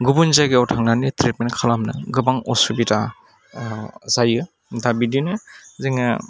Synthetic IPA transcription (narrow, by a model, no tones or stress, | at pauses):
ɡubunzajɡɯɔwtʰaŋnanitɾet̚menkʰalamnɯɡɯbaŋɔsubita | zajɯ | dabidinɯzeŋa